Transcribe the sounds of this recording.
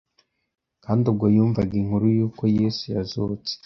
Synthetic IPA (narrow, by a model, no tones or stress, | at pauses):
kaːndub̚ɡojuːɱvaɡiŋhuɾujuːko̞jesujazuːt͡se̥